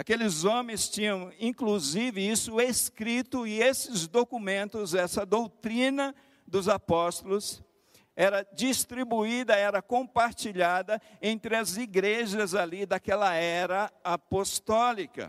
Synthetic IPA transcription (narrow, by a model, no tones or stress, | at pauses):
akelɪzõmẽj̃st͡ʃĩɲɐ̃w̃ĩkluzivɪisʊeskɾit̪ʊɪesɪzd̪okumẽnt̪ʊzɛsɐd̪owt̪ɾĩnɐ | d̪ʊzapɔst̪ʊlʊs | ɛɾɐd͡ʒist̪ɾibuid̪ɐɛɾɐkõpaɾt͡ʃiʎad̪ɐẽnt̪ɾɪɐziɡɾeʒɐzalid̪ɐkɛlɐɛɾɐapost̪ɔlikɐ̰